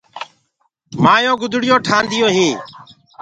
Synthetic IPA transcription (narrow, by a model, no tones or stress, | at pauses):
maːjõːɡʊd̪ʱɽɪjoːʈʰaːnd̪ʱɪjoːɦiː